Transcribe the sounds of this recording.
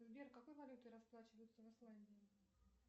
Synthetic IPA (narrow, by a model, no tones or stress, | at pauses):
zbʲerkːɐko̞jvɐlʲut̪ɨɾɐsplˠat͡ɕɪvəjʊt̪səvɨslˠanʲdʲɪɪ